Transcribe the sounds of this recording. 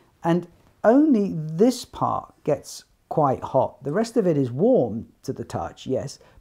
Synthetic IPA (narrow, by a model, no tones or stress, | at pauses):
ʔɨ̃n | õʊ̃nliðɪspʰɑ̰ɹt̚ɡ̥ɛts | kʰw̥aɪt̚hɒ̰t̪̚ðəɹɛstʌvɨɾɨzwɔɹmtʰɨðɨtʰʌ̰t͡ʃjɛ̰s